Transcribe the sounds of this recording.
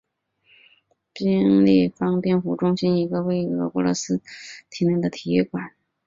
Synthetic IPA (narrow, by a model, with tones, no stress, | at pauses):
pi˥ŋli˥˩fɑ˥ŋt̪jɛ˥˩nfu˨˩ʈ͡ʂʊ˥ŋɕi˥ni˧˥ɡə˧we˥˩ɪɤ˧˥pu˧˥lɤ̰˧˥sɹ̩˥t̪ʰi˧˥ni˥˩d̪ə˩t̪ʰi˨˧˩ɛ˥˩kwa˨˩˦n